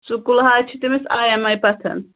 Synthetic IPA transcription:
t͡sukulɦat͡ʃʰit̪imɛsajamajpat̪ʰɐ̰n

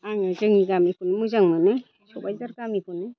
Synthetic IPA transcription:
aŋɯzɯŋiɡamipʰunmɯzaŋmanɯ | sɔbajzaɾɡamipʰɯnɯ

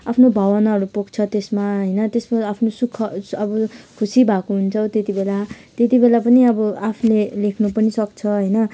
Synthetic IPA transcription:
apʰnobʱʌwʌnaɦʌɾupuɡt͡sʰʌt̪esmaɦʌjnʌt̪esmaapʰnosukʰːʌʌbʌkʰusibʱakoɦunt͡sʰʌwt̪et̪ibela | t̪et̪ibelapʌniʌbʌapʰlelekʰnupʌnisʌkt͡sʰʌɦʌjnʌ

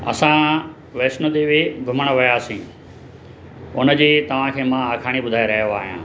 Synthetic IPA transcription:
ɐ̰sã | ʋeːsnəd̪iːʋɪɡʱʊməɽ̃ʋɐjaːsĩː | ʊnə̆d͡ʑiːt̪ɐʋ̤ãkʰeːmãaːkʰaːɽ̃ibʊd̪ʱaːeɾɐɦijoaːɦijã̰ː

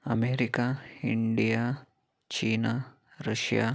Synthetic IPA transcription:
ɐmeːɾikaiɳɖija | t͡ʃiːna | ɾɐʂja̰ː

